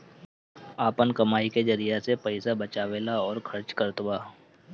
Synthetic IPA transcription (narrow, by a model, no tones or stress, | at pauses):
aːpənkɐmaːiked͡ʒɐɾijasepɛɪsabət͡ʃaːʋeːlaɔːɾkʰɐɾt͡ʃkəɾt̪waː